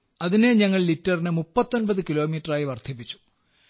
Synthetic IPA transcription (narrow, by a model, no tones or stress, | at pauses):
ɐðine̞ɲɐŋːɐɭlitːɐrinɨmupːɐt̪ːo̞nbɐðɨkilo̞ːmiːʈɐraːjiʋɐrt̪ʰipːit͡ɕːu̥